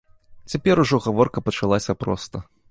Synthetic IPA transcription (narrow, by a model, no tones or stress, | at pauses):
t͡sʲapʲɛɾuʐɔɣavɔrkɐpɐt͡ʂalˠasʲɐpɾɔ̰st̪ɐ